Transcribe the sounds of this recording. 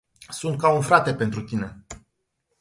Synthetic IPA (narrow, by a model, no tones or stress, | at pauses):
sunt̪̚kaunfɾat̪e̞pe̞nt̪ɾut̪ine̞